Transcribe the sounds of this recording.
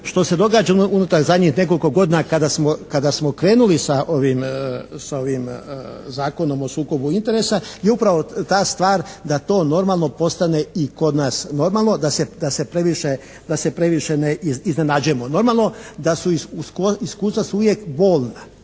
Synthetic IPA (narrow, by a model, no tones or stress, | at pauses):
ʃt̪o̞se̞d̪o̞ɡaːd͡ʒauunut̪aɾzad̪ɲixne̞k̬o̞liko̞ɡo̞d̪iːnakad̪asmokad̪asmo̞kɾe̞ːnulisaʔoʋimsao̞ʋimzaːko̞no̞mo̞suːko̞buint̪e̞ɾesajeupɾaʋo̞t̪aːst̪ʋaːɾd̪at̪o̞ːno̞ɾmalˠno̞po̞st̪ane̞iko̞d̪naːsno̞ɾmalˠno̞d̪ased̪ase̞pɾeʋiʃe | d̪ase̞pɾe̞ʋiʃeneiizne̞nad͡ʒuje̞mono̞ɾmalˠno̞d̪asuiskoiskuːst̪ʋasuuʋjekbo̞ːlˠna